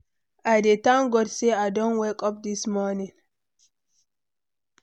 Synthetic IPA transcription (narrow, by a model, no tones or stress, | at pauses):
ʔadɛtaŋɡɔɾsɛadɔnwɛkʼɔp̚dismɔnin